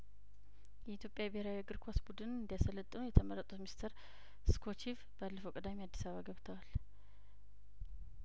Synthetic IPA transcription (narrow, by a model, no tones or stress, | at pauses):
jɛit̪ʰjo̞pʼjabeheɾawiaɡɨɾkʰosbud̪ɨnɨnd̪ijasələt̪ʼːənujɛt̪ʰəməɾət̪ʼut̪mist̪ʰəɾ | skʰo̞t͡ʃiv | b̥əalːəfəwkʼɨd̪amiad̪ːi̥saβaɡəβt̪ʰəwal